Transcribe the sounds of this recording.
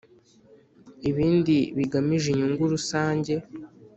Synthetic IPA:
iβiːndiβiɡamiʒiɲuŋɡuɾusaːɲɟe̞

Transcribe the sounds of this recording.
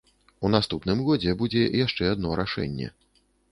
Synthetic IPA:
unast̪upnɨmɣɔd͡zʲɛbud͡zʲɛjaʂt͡ʂɛad̪̚nɔɾaʂɛ̰nʲːɛ̰

